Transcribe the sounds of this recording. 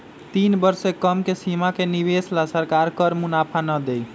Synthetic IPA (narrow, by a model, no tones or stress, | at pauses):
t̪inbəɾsekəmkesimakenibeslasəɾkaɾkəɾmunapʰanəd̪ej